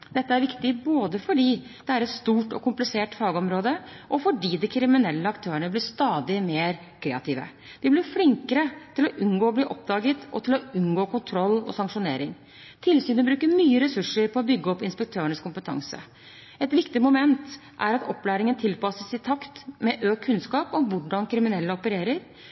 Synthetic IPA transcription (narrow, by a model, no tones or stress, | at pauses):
d̪ɛt̪ːəæɾʋɪkt̪ɪboːd̪əfɔɖiː | d̪̥ɛæɾɛt̪st̪uːʈɔ̰kʊmplɪseːʈfɑːɡəɔmɾoːd̪əʔɔfɔɖiːd̪ɪkʰɾɪmɪnɛlːəɑkt̪ʰøːəɳəblɪʂt̪ɑːd̪ɪmeːɾ | kʰɾeːɑt̪ʰiːʋə̰ | d̪̥ɪblɪɾflɪŋkəɾət̪ʰɪlɔʔʉnɡoːɔbliːʔɔpd̪ɑːɡət̪ɔ̰t̪ʰɪlɔʉnɡoːkʊnt̪ʰɾɔlːɔ̰sɑŋʂʊneːɾɪŋ | t̪ʰɪlsyːnəbɾʉːkəɾmyːəɾɛsʉʂəɾpʰɔɔbʏɡːəɔpːɪnspɛk̚t̪ʰøːəɳəskʰʊmpət̪ʰɑ̰ŋsə̰ | ɛt̪ʋɪkt̪ɪmʊmɛnt̪ | ʔæ̰ɾɑt̪ɔpːlæːɾɪŋənt̪ʰɪlpɑsəsɪt̪ʰɑkt̪mɛʔøːk̚kʰːʉnskɑːpɔʋʊɖɑnkʰɾɪmɪnɛlːəɔpəɾeːɾəɾ